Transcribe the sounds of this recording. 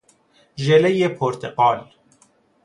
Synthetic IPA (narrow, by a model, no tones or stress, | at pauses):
ʒelejepʰoɾt̪ʰeqɒːl